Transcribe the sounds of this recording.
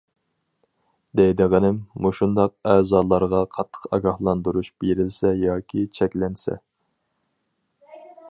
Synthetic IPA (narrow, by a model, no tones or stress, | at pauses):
d̪ɛjd̪ɨʁɪnɪmːuʃund̪ɑq̚ɛːzɑːlˠɑɾʁɑqʰɑt̪ʰːə̥qɑ̰ɡɑhlˠɑnd̪uɾuʃb̥eɾɪlsɛjɑːkʲʰit͡ʃʰɛkʲlɛnsɛ̰